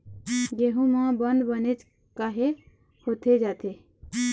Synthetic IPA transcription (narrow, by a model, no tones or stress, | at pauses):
jeɦũmãbənd̪bənet͡ʃ | kaɦe | hot̪ʰed͡ʒat̪e